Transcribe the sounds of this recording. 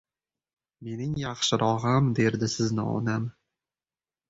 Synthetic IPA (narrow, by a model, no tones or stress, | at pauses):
me̞nɪŋjɑχʃɪɾʔɒʁamd̪e̞ɾd̪ɪsɪznɪ̰ɒ̰nam